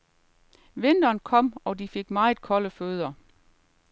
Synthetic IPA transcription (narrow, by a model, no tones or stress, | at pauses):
ʋe̝n̰d̥ɐːnkʰɒ̽m̰ɒ̽d̥ife̝ɡ̥̚mɑ̈ɪð̩ˠkʰɒ̽ləføːð̞ˠɐ